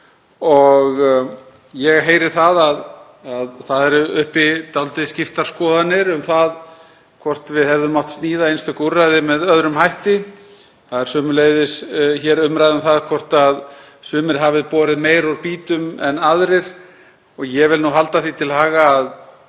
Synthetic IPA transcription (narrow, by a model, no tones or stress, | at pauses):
ɔɣ | jɛɣɦeːjɾɪɾ̥θaðað | aðθaðɛɾʏhpɪt̪awlt̪ɪscɪft̪aɾ̥skɔːðanːɪɾʏmθað | kʰvɔr̥t̪vɪðhɛvðʏmːɔwht̪st̪niːðaejnst̪ʏkurːajðɪmɛðœðɾʏmhajht̪ɪ | θaðɛɾ̥sʏːmʏleːjðɪsçɛːɾʏmɾajðʏmθaðkʰvɔr̥t̪að | sʏːmɪɾ̥ɦaːvɪðpɔːɾɪðmeːjɾaɾpiːt̪ʏmɛnːaðɾɪɾ̥ | ɔɣjɛvɪlnuɦalt̪aθit̪ʰɪlhaːɣaːð